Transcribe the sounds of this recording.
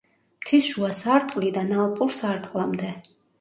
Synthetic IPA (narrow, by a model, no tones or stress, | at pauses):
m̥t̪ʰisʃuasaɾt̪ʼqʼlid̪analˠpʼuɾsaɾt̪ʼqʼlˠamd̪ɛ